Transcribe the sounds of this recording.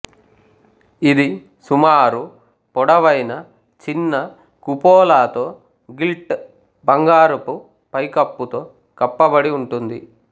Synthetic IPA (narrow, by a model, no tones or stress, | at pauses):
id̪i | sumaːɾu | pɔɽɐʋɐjnɐ | t͡ʃinːɐ | kupɔːlaːt̪o̞ː | ɡilʈ | bɐŋɡaːɾupu | pɐjkɐpːut̪o̞ː | kɐpːɐbɐɽiuɳʈund̪i